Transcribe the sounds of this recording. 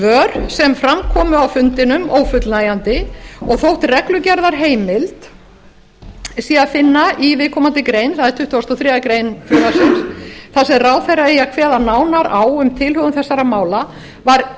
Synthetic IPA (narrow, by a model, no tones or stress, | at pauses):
vœːɾsɛmfɾamkʰɔːmʏawfʏnt̪ɪnʏmoːwfʏt̪lnaːjant̪ɪɔɣθowht̪rɛklʏcɛɾðaɾ̥ɦeːjmɪlt̪ | siːafɪnːaivɪːkʰɔmant̪ɪkɾejnθaðɛɾ̥t̪ʏht̪ʏɔst̪ɔθɾɛːakɾejnfʏðasɪnsθasɛmraːwθɛjraɛjakʰvɛːðanaːwnaɾaːwʏmt̪ʰɪlhʏɣʏmθɛsːaɾamaːwla | vaɾ